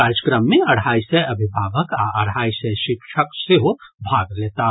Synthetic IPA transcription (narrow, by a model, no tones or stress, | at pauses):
aːɾjəkɾəmːẽɐɽ̤aːisɛɐbʱɪbʱaːʋəkaɐɽ̤aːisɛʃɪkʃʰəkseɦobʱaːɡleːt̪a